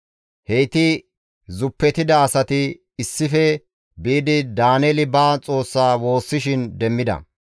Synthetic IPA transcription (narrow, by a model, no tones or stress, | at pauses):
hejt̪ɪ | zʊpːɛt̪ɪd̪ɐːsɐt̪ɪː | sːɪfɛ | biːd̪ɪd̪aːnɛlɪbaːt͡sʼo̞ːsːaːwo̞ːsːɪʃɪnd̪ɛmːɪd̪ɐ̰